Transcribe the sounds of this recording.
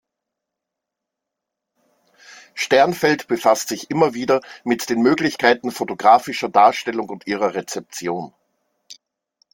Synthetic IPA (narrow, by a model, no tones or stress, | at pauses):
ʃtɛɐnfɛltb̥əfastz̥ɪçʔɪmɐviːdɐmɪtd̥eːnmøːɡlɪçkʰaɪtn̩fotoɡʁaːfɪʃɐdaːɐʃtɛlʊŋʊntʔiːʁ̞ɐʁet͡sɛp̚t͡sjoːn